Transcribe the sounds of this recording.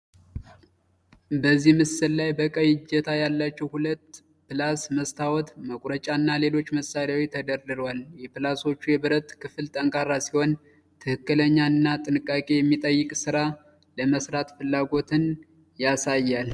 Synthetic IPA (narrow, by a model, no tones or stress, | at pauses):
bəzːihmɨsɨllajbəkʼəjɪd͡ʒɛt̪ʰajalːat͡ʃːɛwhulət̪ː | pɨlasməst̪ʰawɔt̪məkʷʼɾət͡ʃʼanːale̞lo̞t͡ʃːməsaɾjawit̪ʰəd̪əɾd̪ɨɾwaljɛpɨlaso̞t͡ʃːujɛbɨɾət̪kʰɨfɨlt̪ʼəŋkʼaɾasiho̞n | t̪ʰɨhɨkːɨləɲːaɨnːat̪ʼɨnɨkʼːakʼe̞jɛmːit̪ʼəjːɨkʼsɨɾa | ləməsɾat̪fɨlːaɡo̞t̪ʰɨn | jasajːal